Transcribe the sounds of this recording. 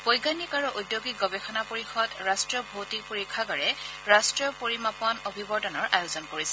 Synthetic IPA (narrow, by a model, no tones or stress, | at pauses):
pojɡanikaɹuʔudjoɡiɡɔbexʰɔnapoɹixɔdɹastɹiɔbʱowtipoɹikʰːaɡɔɹɛ | ɹastɹiɔpoɹimapɔnobʱibɔdɔnɔɹʔajoʊzɔnkoɹisɛ̥